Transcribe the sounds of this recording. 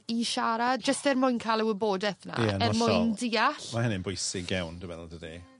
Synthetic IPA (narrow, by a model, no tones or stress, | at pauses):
iʃaɾadd͡ʒəstɛrmʊjnkʰaːlˠɛwɪboːdɛθna̰nɛmʊjndiːaɬmahɛnɪnbʊjsɪɡɛwndəwɛlˠdəde